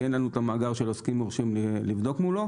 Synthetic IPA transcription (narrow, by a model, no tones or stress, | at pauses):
enlanuet̪amaːɡaʁʃeloskimoʁʃimelivd̪o̞kmulo̞